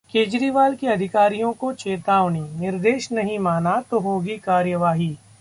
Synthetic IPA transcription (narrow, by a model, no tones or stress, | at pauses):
keːd͡ʒɾiːʋaːlkiɐd̪ʱɪkaːɾijõkot͡ʃeːt̪aːʋninɪɾd̪eːʃnɐɦĩmaːnat̪oɦoːɡikaːɾjəʋaːɦiː